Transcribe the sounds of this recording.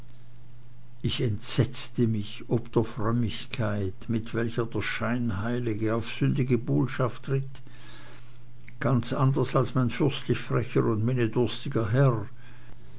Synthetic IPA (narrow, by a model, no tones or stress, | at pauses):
ʔɪçɛntz̥ɛt͡stəmɪç | ɔpd̥eːɐfʁœmɪçkʰaɪtmɪtv̥ɛlçɐdeːɐʃaɪnɦaɪlɪɡəaʊfsʏndɪɡəboːʃaftʁ̥ɪt | ɡ̥ant͡sʔandɐsalsmaɪnfʏɐstlɪçfʁ̥ɛçəʊntmenedʊʁstɪɡɐɦɛʁ